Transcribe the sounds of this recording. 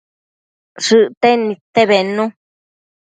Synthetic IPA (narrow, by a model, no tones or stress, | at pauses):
ʂɨʔt̪enĩt̪eβenũ